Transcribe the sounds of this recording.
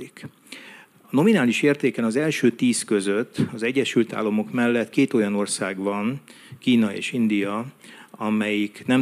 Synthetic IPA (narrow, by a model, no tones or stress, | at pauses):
ik | ɒno̞minaːliʃeːrt̪eːkɛnɒzɛlʃøːt̪iːskø̞zøt̪ʰːɒzɛɟːɛʃylt̪a̰ːlːɒmo̞kmɛlːɛt̪keːt̪o̞jɒno̞rsaːɡvɒn | kiːnɒḛːʃind̪ijɒɒmɛjiknɛm